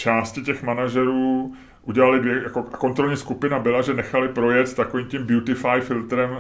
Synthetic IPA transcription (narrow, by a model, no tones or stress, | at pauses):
t͡ʃaːscɪcɛxmanaʒɛɾuː | ʔuɟɛlalɪdvjɛjakoako̞nt̪ɾo̞lɲiːskupɪnabɪlaʒɛnɛxalɪpɾo̞jɛt͡st̪akoviːmcimbjut̪ɪfajfɪlt̪ɾɛm